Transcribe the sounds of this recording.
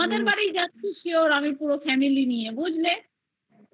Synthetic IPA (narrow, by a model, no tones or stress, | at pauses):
ad̪eɾbaɽijd͡ʑatːʰuʃioɾamipuɾofɛmilinijebud͡ʑʱle